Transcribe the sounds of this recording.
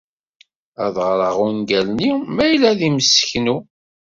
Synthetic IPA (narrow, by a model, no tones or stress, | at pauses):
æðʁɾˤəʁunɡælnimæjlːæðiməsə̥çnu